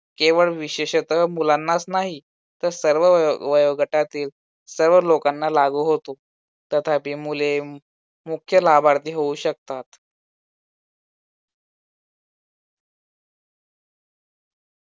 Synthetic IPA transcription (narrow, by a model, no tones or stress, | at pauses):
keʋəɭʋiɕeɕət̪əmulanːasnaɦi | t̪əɾsəɾʋəʋəjoɡəʈat̪iːl | səɾʋəlokanːalaɡuːɦot̪o | t̪ət̪ʰapiːmule | mukʰjəlabaɾt̪iːɦouɕək̚t̪at̪